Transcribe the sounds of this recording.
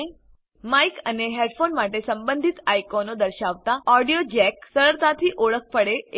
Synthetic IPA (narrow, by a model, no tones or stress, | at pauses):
majkəneɦeɖfonmaʈesəmbənd̪ʱit̪ajkonod̪əɾɕaʋt̪aɔɖijod͡ʑɛksəɭəɭt̪at̪ʰiːʔoɭək̚pəɽe